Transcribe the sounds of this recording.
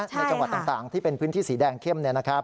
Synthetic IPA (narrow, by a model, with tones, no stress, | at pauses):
t͡ɕna˧˥t͡ɕa˧wa˨˩t̪ːa˨˩t̪aː˨˩ŋt̪ʰiː˥˩pe˧npʰɯː˦˥t̪ʰiː˥˩siː˩˦dɛː˧ŋkʰe˥˩mni˥˩ɐna˦˥kʰɾa˦˥p̚